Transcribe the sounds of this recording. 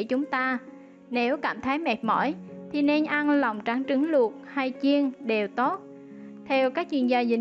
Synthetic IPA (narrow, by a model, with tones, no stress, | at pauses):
t͡ɕʊ˨˦ŋ͡mt̪aː˧ | ne˨˦wkaː˧˩mt̪ʰaː˨˦jmɛ˨˩t̚mɔ̰˧˩jt̪ʰi˨˩ne˧nʔa˧nlə˨˩wŋ͡mt͡ɕa˨˦ŋt͡ɕɨ˨˦ŋlu˨˩ət̚ha˧jt͡ɕi˧ənɗe˨˩wt̪o˦˥t̚ | t̪ʰɛ˧wkaː˦˥k̚t͡ɕwi˧ənzaː˧zï˧˩